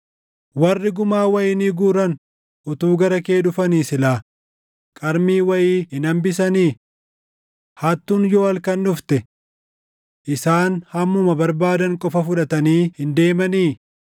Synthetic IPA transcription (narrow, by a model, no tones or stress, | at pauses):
wɐrːɪɡʊmaːwɐjɪniːɡuːɾɐn | ʔʊt̪uːɡɐɾɐke̞ːᶑʊfɐniːsɪlaː | kʼɐɾmiːwɐjiːhɪnɐmbɪs̬ɐniː | hɐt̪ːuːnjoːɐlkɐnːʊft̪ɛ | ʔɪsaːnhɐmːʊmɐbɐɾbaːd̪ɐŋkʼɔfɐfʊᶑɐt̪ɐniːhɪnd̪e̞ːmɐniː